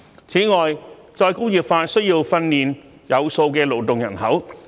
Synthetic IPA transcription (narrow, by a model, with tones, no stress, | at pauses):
t͡sʰiː˨˥ŋɔː˨˩j | t͡sɔː˧jkʊ˥wjiː˨˩p̚faː˧sɵ˥ɥjiː˧wfɐ˧nniː˨n | jɐ˨˧wso˧wkɛː˧lo˨˩wt̪ʊ˨˩ŋjɐ̰˨˩nɦɐ˨˥w